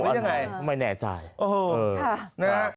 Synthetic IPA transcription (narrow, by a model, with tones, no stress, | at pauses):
ja˧ŋa˧jtʰa˧˩ma˧jnɛː˨˧˩t͡ɕa̰ː˨˩jʔoː˧hoː˧˩˧na˦˥